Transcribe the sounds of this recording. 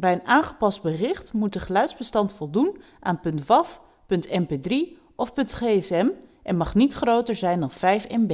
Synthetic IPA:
bɛjənaːnχəpɑsd̚bərɪχtmut̚dəχlœɥzbəstɑntfɔlˠdun | ʔaːnpɵntʋɑf | pɵntɛmpedri | ɔfpɵntχeːɛsɛmʔɛnmɑχnitχrowtəɹzɛjndɑnv̥ɛjfɛmbe

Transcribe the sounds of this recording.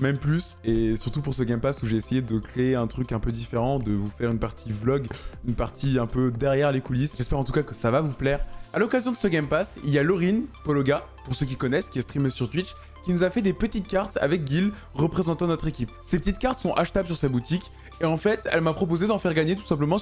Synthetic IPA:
mɛmplysesyʁt̪upuʁsəɡʲɛmpasuʒeːsejed̪əkχeeɛ̃t̪χykɛ̃pød̪ifeʁɑ̃d̪əvufɛʁynpaʁt̪ʰiblɔɡynpaʁt̪ʰiɛ̃pød̪ɛʁjɛʁlekulisʒɛspɛʁɑ̃t̪ukakəsavavuplɛːʁalɔkazjɔ̃d̪ə̥səɡʲɛmpasḭljalɔʁinpɔlɔɡa | puʁsøkʲikɔnɛskʲiɛst̪χimsyʁt̪wit̪ʃ | kʲinuzafɛd̪epət̪it̪̚kaʁt̪a̰vɛk̚ɡʲil | ʁəpχezɑ̃t̪ɑ̃d̪ənɔt̪χekʲipsepət̪it̪̚kaʁt̪sɔ̃ʔaʃt̪abls̬yʁsabut̪ikʲ | eɑ̃fɛt̪ɛ̰lmapχɔp̬ozed̪ɑ̃fɛʁɡaɲet̪u̥sɛ̃p̬ləmɑ̃

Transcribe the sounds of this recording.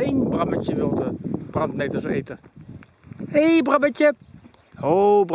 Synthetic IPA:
enbramətjəʋɪlˠtəb̥rantnetəsḛːtə | eːbramətjə | hob

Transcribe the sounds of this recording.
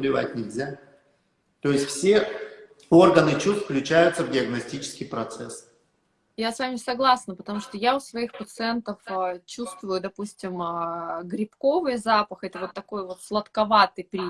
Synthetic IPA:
lʲɪva̰t̚ʲnʲɪlʲzʲa | t̪o̞jɪsʲtʲfsʲe̞ | o̞rɡənɨt͡ɕust̪fklʲʉt͡ɕæjʊt̪səvdʲɪɐɡnɐsʲtʲit͡ɕɪ̥skʲɪjpɾɐt̪sɛs | jasvamʲɪsɐɡlˠasnəpət̪ɐmuʂt̪ojaʊsvɐixpət̪sɨɛnt̪əft͡ɕust̪vʊjʊd̪ɐpusʲtʲɪmɡɾʲɪpko̞vɨjzapəxɛt̪əvo̞t̪ːɐko̞jvo̞t̪flˠət̪kɐvat̪ɨjpɾʲi

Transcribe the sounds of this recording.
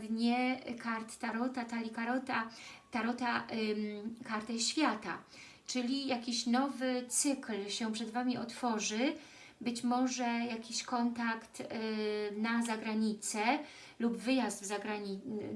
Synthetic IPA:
d̪ɲɛkaɾt̪t̪aɾɔt̪at̪alʲikaɾɔt̪at̪aɾɔt̪a | kaɾt̪ɛɕfʲjat̪a | t͡ʂɘlʲijakʲiɕnɔvɘt̪sɘklɕɛ̃pʂɛd̪vamʲiʔɔt̪fɔʐɘ | bɘt͡ɕmɔʐɛjakʲiɕkɔnt̪akt̪ | nazaɡɾaɲit̪sɛ | lubvɘjazd̪vzaɡɾaɲi

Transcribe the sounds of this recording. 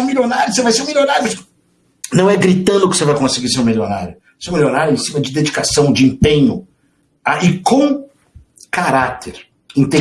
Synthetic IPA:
ũmilʲonaɾjʊsevajseɾũmilʲonaɾjʊʃ | nɐ̃w̃ɛɡɾit̪ɐ̃nd̪ʊkɪsevajkõsɪɡiɾseɾũmilona̰ɾjʊ | seũmilʲjonaɾjʊẽsĩmɐd͡ʒɪd̪ed͡ʒikasɐ̃w̃d͡ʒɪẽpẽɲʊ | aʔɪkõ | kaɾat̪eɾ | ĩt̪ẽ

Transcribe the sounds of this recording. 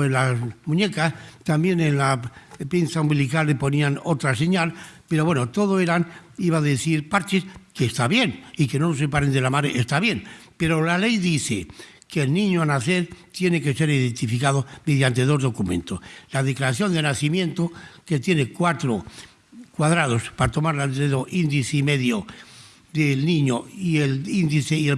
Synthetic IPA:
elasmũɲe̞kast̪ambje̞nenlapinθaumbilikalːepo̞niano̞t̪ɾase̞ɲalpe̞ɾo̞βwe̞not̪o̞ð̞oe̞ɾaniβaðeθiɾpaɾt͡ʃeskeːst̪aβje̞nike̞nonosepaɾend̪e̞lamaɾeʔest̪aβje̞npe̞ɾolale̞jðiθe | keːlnĩɲoanaθe̞ɾt̪je̞neke̞se̞ɾiðe̞nt̪ifikaðomeð̞jant̪e̞ðo̞zðo̞kumẽ̞̰nt̪oslað̞eklaɾaθjo̞nd̪enaθimjẽ̞nt̪oke̞t̪je̞nekwat̪ɾo | kwaðɾað̞o̞spaɾat̪o̞maɾlant̪eðoʔind̪iθeme̞ðjo | d̪elnĩɲoielind̪iθeie

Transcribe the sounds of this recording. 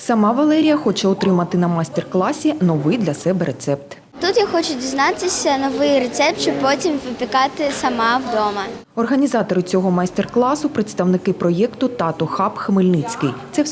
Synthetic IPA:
sɐmɑʋɐlˠɛɾʲijɐxɔt͡ʃɛɔt̪ɾɪmɐt̪ɪnɐmasʲt̪erklˠɑsʲinɔʋɪjd̪lʲɐsɛbɛɾʔet̪sɛp̚t̪ | t̪ut̪jaxɔt͡ʃʊdʲiznɑt̪ɪsʲɐnɔʋɪjɾet̪sɛp̚t̪̚t͡ʃɪpɔtʲimʋɪpʲɪkɑt̪ɪsɐmɑwd̪ɔmɐ | ɔrɦɐnʲizɑt̪ɔɾɪt͡sʲɔɦɔmɐst̪erklˠɑsʊpɾɪt̪st̪ɐwnɪkɪpɾɔjɛkt̪ʊt̪ɑt̪ɔxɑpxɐmɪlʲnɪt͡sʲkɪjt̪sɛ

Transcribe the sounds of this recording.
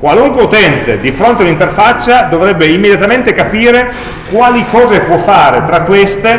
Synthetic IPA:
kwaluŋkweut̪ɛnt̪ed̪ifɾont̪eaunint̪erfat͡ʃːad̪ovɾɛbːeimːed̪jat̪ament̪ekapiːɾe | kwaːlikɔːzepwɔfːaːɾet̪ɾakːwest̪e

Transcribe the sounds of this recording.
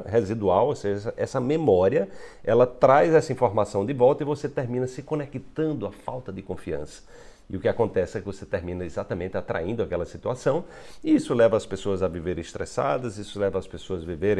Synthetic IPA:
ɦezid̪uawoseʒɐɛsɐʔɛsɐmemɔɾiɐɛlɐt̪ɾajzɛsɐĩfoɾmasɐ̃w̃d̪ɪvɔwt̪ɐivoset̪eɾmĩnɐsɪkõnekit̪ɐ̃nd̪ʊɐfawt̪ɐd̪ɪkõfiɐ̰̃sɐ̥ | ɪʊkɪakõnt̪ɛsɪɛkɪvoset̪eɾmĩnɐezat̪ɐmẽnt̪ɪat̪ɾa̰ĩnd̪ʊakɛlɐsit̪uasɐ̃w̃iisʊlɛvɐːspesoɐzɐviveɾ̃ɪst̪ɾɛsa̰d̪ɐzisʊlɛvɐːspesoɐzviveɾ̃

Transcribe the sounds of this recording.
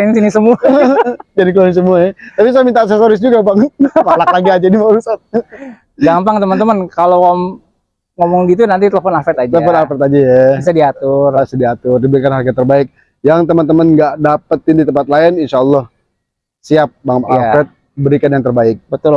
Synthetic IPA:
ɪnsinisəmuad͡ʒadik̬loɾɪnsəmuaɲat̪apis̬aɛmint̪as̬esoɾɪs̬d͡ʒuɡapaŋpalaklaɡiad͡ʒanimaaɾusat̪̚ | ɡampaŋt̪əmənt̪əmənkaloam | ŋomɔŋɡit̪̬unant̪it̪ələfɔnafɛt̪ad͡ʒləfɔnafɛt̪ad͡ʒajais̬adiat̪ʊrbisadiat̪ʊrdibəɾikanɦarɡat̪ərbaɪk̚ | jaŋt̪əmənt̪əmənɡaʔdapət̪̚ɪndit̪əmpat̪laɪninʃaəlːɔh | siap̚baŋpalafɛt̪̚ | bəɾikanjaŋt̪ərbaɪk̚bət̪ʊl

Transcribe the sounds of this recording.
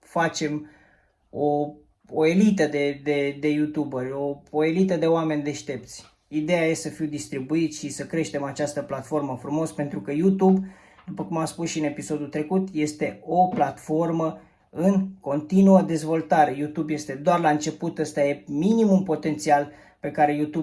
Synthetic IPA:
fat͡ʃe̞m | o | oe̞lit̪əd̪e̞d̪e̞d̪e̞jut̪ubərʲo̞oe̞lit̪əd̪e̞oame̞nʲd̪e̞ʃt̪e̞p̚t̪sʲ | id̪e̞jajessəfiwd̪ist̪ɾibuit̪sʃisəkɾe̞ʃt̪e̞mat͡ʃast̪əplat̪fo̞rməfɾumo̞spe̞nt̪ɾukəjut̪ub | d̪̥upəkumaspusʃiɨne̞piso̞d̪ut̪ɾe̞kut̪je̞st̪e̞o̞plat̪fo̞rmə | ɨŋko̞nt̪inuəd̪e̞zvo̞lt̪aɾe̞jut̪ubje̞st̪e̞d̪oarlaɨnt͡ʃe̞put̪əst̪aje̞minimumpo̞t̪e̞nt̪sial | pe̞kaɾe̞jut̪ub

